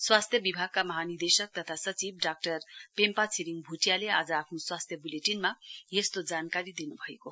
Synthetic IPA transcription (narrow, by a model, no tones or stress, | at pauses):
swast̪ʰjʌbibʱaɡ̚kamʌɦanid̪esʌk̚t̪ʌt̪ʰasʌt͡sib̚ɖak̚ʈʌrpempat͡sʰiɾiŋbʱuʈjalead͡zʌapʰnoswast̪ʰjʌbuleʈinmajest̪od͡zankaɾid̪inubʱʌeko